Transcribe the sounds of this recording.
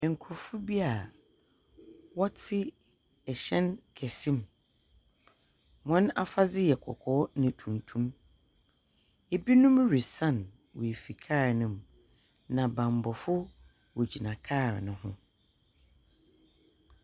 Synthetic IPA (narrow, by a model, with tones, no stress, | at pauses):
ɛ̃˨ŋ̩˨kʰʊ˨ɾfʊ˦bi˦a˨ | wɔ˦tʰɪ˦ | ɛ˨ɕɛ̃˦nkʰɛ˨sĩ˦m | mɔ̃˦na˦fa˦d͡zɪ˦jɛ˨kʰɔ̰˨kʰɔ˦nɪ̃˨tʰũ˨ntʰũ˦m | e˨bi˦nʊ̃˦m˦ɾi˨sã˦˨n | wɔ̰˨e˨fi˨kʰaː˦˨nʊ̃˨m | nã˨bã˨m˨bɔ˨fʊ˦ | wɔ˨d͡ʑi˨nã˨kʰa˦˨nʊ̃˨˦ɦʊ̰̃˦